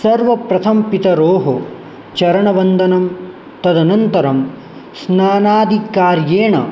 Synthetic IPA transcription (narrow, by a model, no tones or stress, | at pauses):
sɐɾʋɐpɾɐt̪ʰɐmpit̪ɐɾoːɦo | t͡ʃɐɾɐɳɐʋɐnd̪ɐnɐm | t̪ɐd̪ɐnɐnt̪ɐɾɐm | snaːnaːd̪ʱikaːɾjeːɳɐ̰